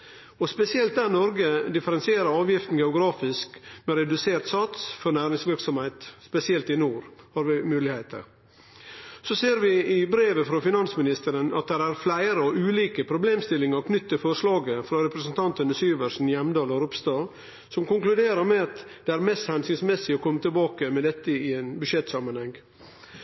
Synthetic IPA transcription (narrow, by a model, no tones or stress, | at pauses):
ɔspɛsɪɛlt̪̚d̪æɾnɔɾɡəd̪ɪfəɾɛnsɪeːɾəɾɑːʋjɪft̪n̩ɡɛʊɡɾɑːfɪskmɛɾɛd̪ʉseːɾt̪sɑt̪sfɔɾnæːɾɪŋsʋɪɾksɔmhɛɪt̪spɛsɪɛlt̪ɪnuːɾhɑːɾʋɪmʉːlɪheɪt̪ʰə̰ɾ | sɔseːɾʋɪɪbɾeːʋəfɾɔfɪnɑnsmɪnɪst̪əɾənɑ̰t̪̚d̪æɾæɾflæɪɾəɔʔʉːliːkəpʰɾʊbleːmst̪ɪlːɪŋɑɾkʰnʏt̪ːəfɔɾʂlɑːɡəfɾɑɾɛpɾəsənt̪ʰɑnt̪ənəsyːʋəɾʂn̩jɛmːd̪ɑːlɑɾʊpst̪ɑː | sɔmkʊŋklʉd̪eːɾəɾmɛɑt̪d̪̥ɛæːɾmɛst̪hɛnsʏŋsmɛsːɪɔkʰɔmːət̪ʰɪlbɑːkəmɛd̪ɛt̪ːəɪɛɪnbʉʂɛt̪ːsɑmənhɛŋː